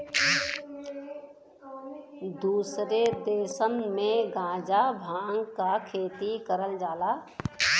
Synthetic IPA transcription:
d̪uːsɾed̪eːsənmẽɡãːd͡ʒabʱãːŋɡkakʰeːt̪ikəɾəld͡ʒaːlaː

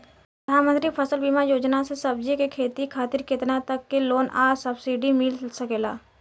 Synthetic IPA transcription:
ɾəd̪ʱaːnmə̃nt̪ɾipʰəsəlbiːmajoːd͡ʒnasesɐb̚d͡ʒikekʰeːt̪ikʰaːt̪ɪɾkɪt̪nat̪ɐkːeloːnʔaːsəbsiɖimɪlsəkeːlaː

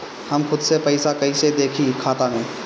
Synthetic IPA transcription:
hɐmxʊd̪sepɛɪsakɐised̪eːkʰikʰaːt̪amẽː

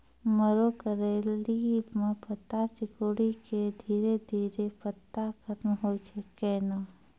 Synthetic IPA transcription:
məɾokəɾeːlimẽpət̪ːat͡ʃɪkoːɽiked̪ʱiːɾed̪ʱiːɾepət̪ːakʰɐt̪mɦoːt͡ʃʰekɛːnaː

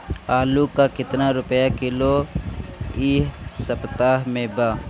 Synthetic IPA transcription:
aːlukakɪt̪naɾʊpjakɪlo | iːɦsɐpt̪aːɦmẽbaː

